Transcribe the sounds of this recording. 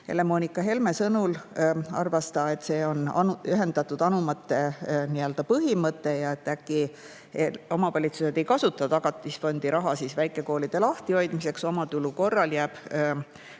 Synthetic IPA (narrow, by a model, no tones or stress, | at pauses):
e̞̰le̞mo̞nikːˑɑɦe̞lme̞sɤnulɑ̰rvɑst̪ɑe̞t̪ːse̞ːo̞nɑ̰nyɦe̞nd̪̥ɑt̪ːˑud̪̥ɑnumɑt̪ːˑe̞niø̞ld̪̥ɑpɤɦimɤt̪ːˑe̞jɑe̞t̪ːækːi | eo̞mɑvɑlʲit̪suse̞d̪̥e̞jkɑsut̪ːˑɑt̪ɑɡ̥ɑt̪ːˑisfo̞nʲd̪̥iɾɑɦɑsiːsvæjkˑe̞ko̞ːlid̪̥e̞lɑht̪io̞jd̪mise̞kso̞mɑt̪uluko̞rːɑljæːb̥